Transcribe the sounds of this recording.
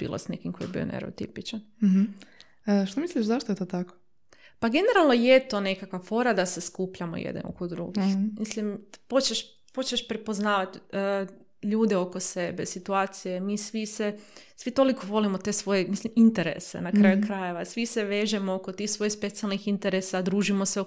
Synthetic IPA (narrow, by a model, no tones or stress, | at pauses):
b̥ḭlo̰snḛkimkojebḭo̰nḛɾo̰t̪ḭpit͡ʃan | ʃt̪omisliʃzaʃt̪oet̪ot̪ako̥ | paɡe̞ne̞ɾalˠno̞jet̪o̞ne̞kakʋafo̞ɾad̪ase̞skupʎamo̰jḛd̪n̰o̰kod̪ɾṵɡixmislimpo̞t͡ʃeʃ | po̞t͡ʃeʃpɾepo̞znaːʋat̪ː | ʎuːd̪e̞o̞ko̞se̞besit̪uaːt̪sije̞misʋisesʋit̪o̞likʰo̞ʋo̞limot̪e̞sʋo̞jemislimint̪e̞ɾḛsḛnakɾajukɾaje̞ʋasʋiseʋe̞ːʒemookot̪ixsʋo̞jespe̞t̪sialˠnixint̪eɾesad̪ɾuːʒimo̞seo